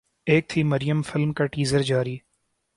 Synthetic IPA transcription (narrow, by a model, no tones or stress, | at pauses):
eːk̚t̪ʰimɐɾɪjəmfɪlmkaʈiːzəɾd͡ʒaːɾiː